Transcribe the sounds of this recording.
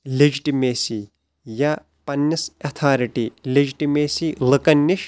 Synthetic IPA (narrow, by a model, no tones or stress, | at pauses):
led͡ʒiʈimeːsi | ja | pɐnːɐsɐt̪ʰaːɾiʈiled͡ʒiʈimeːsilɨkɐnːiʃ